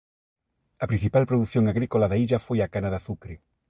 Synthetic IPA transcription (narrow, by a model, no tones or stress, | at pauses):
ɐpɾĩn̟θipalpɾoðuθjõŋaɣɾikolaðaiʎɐfojakanaðaθukɾe